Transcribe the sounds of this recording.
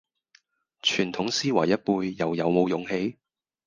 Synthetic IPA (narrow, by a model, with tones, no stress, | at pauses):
t͡ʃʰyː˨˩nt̪ʰʊ˨˥ŋsiː˥wɐ˨˩jɐ˥t̚puː˧jːɐ˨˩wjɐ˨wmo˨˧wjʊ˨ŋhe˧j